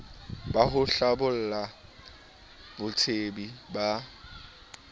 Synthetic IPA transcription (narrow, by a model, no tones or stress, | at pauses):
baɦʊɬabʊl̩la | bʊt͡sʰebiba